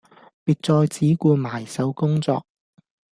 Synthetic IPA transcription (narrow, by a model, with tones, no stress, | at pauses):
piː˨˧t̚t͡sɔː˧jt͡siː˨˥kuː˧maː˨˩jsɐ˨˥wkʊ˥ŋt͡sɔ̰ː˧k̚